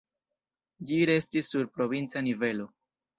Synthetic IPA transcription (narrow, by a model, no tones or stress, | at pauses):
d͡ʒiɾe̞stisːuɾpɾo̞vint͡sanive̞lo̞